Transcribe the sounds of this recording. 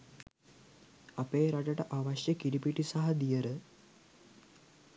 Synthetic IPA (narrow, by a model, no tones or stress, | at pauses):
apeːɾaʈəʈəʔaʋaʃjəkiɾipiʈisaɦɐd̪ijəɾə